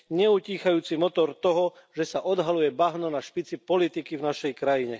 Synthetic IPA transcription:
ɲɛuciːxajuːt͡simɔt̪ɔɾt̪ɔɦɔ | ʒɛsaʔɔd̪ɦalujɛbaɦnɔnaʃpit͡sipɔlit̪ikivnaʃɛjkɾajiɲɛ

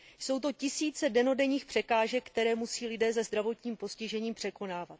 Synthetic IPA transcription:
so̞wt̪o̞cɪsiːt͡sɛdɛno̞dɛɲiːxpr̥ɛkaːʒɛkkt̪ɛɾɛːmusiːlɪdɛːzɛzd̪ɾavo̞t̪ɲiːmpo̞scɪʒɛɲiːmpr̝̥ɛko̞naːvat̪

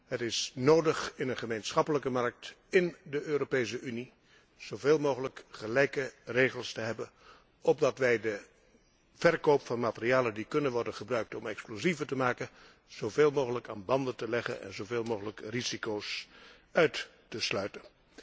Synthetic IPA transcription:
ɦətɪsnoːwdəχɪnənχəmejnsχɑpələkəmɑɹk̚t | ɪndəʔøːropejs̬əʔyni | z̥owveːlˠmowχələkχəlɛjkərejχəlˠstəɦɛbən | ɔb̚dɑtʋɛjdə | v̥ɛrkowpfɑnmaːtəriaːləndikɵnənʋɔɹdənχəbrœɥk̚tɔmɛksplozivətəmaːkən | z̥owveːlˠmowɣələka̰ːnbɑndəntəlɛχə̰nɛ̰nzowveːlˠmowɣələkrizikowsœɥt | təslœɥtən

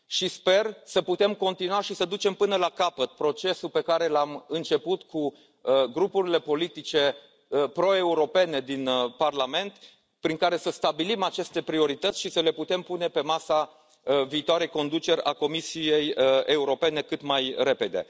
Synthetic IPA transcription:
ʃispe̞rsəput̪e̞mko̞nt̪inuaʃisəd̪ut͡ʃe̞mpɨnəlakapət̪̚pɾo̞t͡ʃe̞supe̞kaɾe̞lamɨnt͡ʃe̞put̪kʰu | ɡɾupuɾile̞po̞lit̪it͡ʃe̞ | pɾo̞e̞uɾo̞pe̞ne̞d̪inparlame̞nt̪ | pɾiŋkaɾe̞səst̪abilimat͡ʃe̞st̪e̞pɾio̞ɾit̪ət̪sʲʃisəle̞put̪e̞mpune̞pe̞masa | viːt̪oaɾejko̞nd̪ut͡ʃe̞ɾʲa̰ko̞misije̞je̞uɾo̞pe̞ne̞kɨt̪majre̞pe̞d̪e̞̰

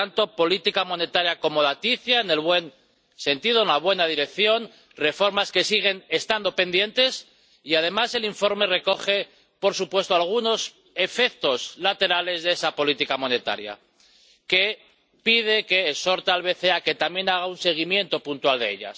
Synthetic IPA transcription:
t̪ant̪o̞po̞lit̪ikamo̞ne̞t̪aɾjako̞mo̞ðat̪iθjaene̞lβwe̞n | se̞nt̪iðoenlaβ̞we̞nað̞iɾe̞kθjo̞n | re̞fo̞ɾmaske̞siɣ̞e̞ne̞st̪and̪o̞pe̞nd̪je̞nt̪e̞s | iað̞e̞mase̞liɱfo̞ɾme̞re̞ko̞χe̞ | po̞ɾsupwe̞st̪oalɣ̞uno̞s | e̞fe̞kt̪o̞slat̪e̞ɾale̞zðeesapo̞lit̪ikamo̞ne̞t̪a̰ɾja̰ | ke̞ | pið̞e̞ke̞ːso̞ɾt̪alβe̞θe̞ake̞t̪amje̞naɣ̞aunse̞ɣ̞imje̞nt̪o̞punt̪wald̪ḛḛʎa̰s

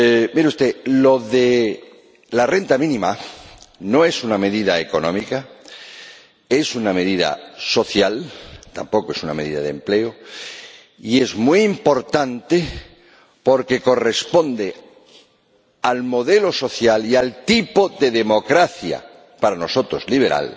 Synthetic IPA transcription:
miɾeust̪elo̞ðe | lare̞nt̪amĩnĩma | no̞e̞suname̞ðiðaeko̞nõ̞̰mika | e̞suname̞ðiða̰so̞θjalt̪a̰mpo̞koe̞suname̞ðiða̰ðḛmple̞o | ie̞zmuiːmpo̞ɾt̪ant̪e | po̞ɾke̞ko̞re̞spo̞nd̪e̞ | almo̞ðe̞lo̞so̞θjalialt̪ipo̞ðe̞ðe̞mo̞kɾaθja̰ | paɾano̞so̞t̪ɾo̞zliβe̞ɾa̰l

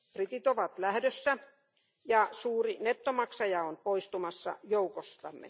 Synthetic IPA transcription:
prit̪it̪oʋɑt̪læhdøsːæ | jɑsuːrinet̪ːomɑksɑjɑonpoist̪umɑsːɑ̰joukost̪ɑ̰mːḛ

